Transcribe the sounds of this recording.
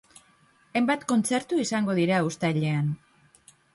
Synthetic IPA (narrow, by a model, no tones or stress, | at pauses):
ejmbat̪ko̞nt͡se̞ɾt̪uisaŋɡo̞ðiɾaust̪aʎe̞an